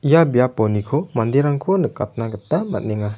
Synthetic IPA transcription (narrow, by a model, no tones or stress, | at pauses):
ijabijapɔnikʰomand̪iɾaŋkʰonɯkat̪̚naɡɯt̪ama̰t̚niŋa